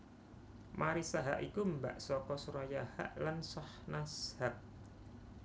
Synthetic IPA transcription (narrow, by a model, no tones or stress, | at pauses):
maɾisaɦa̰ʔikumba̰ʔsɔkɔsuɾajaha̰ʔlansahnashaʔ̚